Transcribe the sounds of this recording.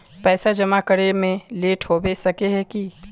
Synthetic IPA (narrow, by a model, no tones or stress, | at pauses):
pɛːsad͡ʒɐmakəɾemẽleːʈʰoːbesɐkeɦɛki